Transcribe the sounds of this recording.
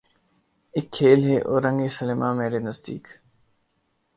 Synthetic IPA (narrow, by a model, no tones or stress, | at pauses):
ɪkʰːeːlɦeːʔo̰ːɾə̃ŋɡeːsəlɪmãːmeːɾeːnəzd̪ḭːk